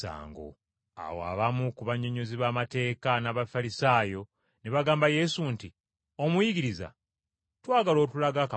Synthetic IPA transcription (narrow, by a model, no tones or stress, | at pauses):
a̰ːŋɡo̰ | a̰woa̰βamukuβaɲoɲoziβaːmate̞ːkanaβafaɾisaːjo̞ | neβaɡaːmbaje̞sunti | o̞mujiɡiɾiza̰ | twaːɡalo̞ːtulaɡaka